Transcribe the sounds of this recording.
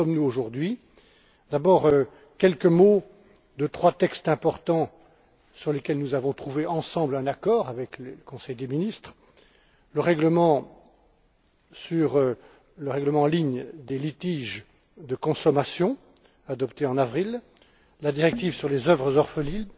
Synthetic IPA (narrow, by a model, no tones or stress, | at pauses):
sɔmnuoʒuʁd̪ɥi | d̪abɔːʁø | kʲɛlkəmo | d̪ət̪χwat̪ɛkst̪ɛ̃pɔʁt̪ɑ̃ | syʁlekʲɛlnuzavɔ̃t̪χuveʔɑ̃sɑ̃blɛ̃nakɔːʁavɛklələkɔ̃sɛjd̪eminist̪χ | ləʁɛɡləmɑ̃ | syʁ | ləʁɛɡləmɑ̃liɲd̪elit̪iʒ | d̪əkɔ̃sɔmasjɔ̃ | ad̪ɔpt̪eɑ̃navʁil | lad̪iʁɛk̚t̪ivsyʁlezœvʁəzɔʁfəlil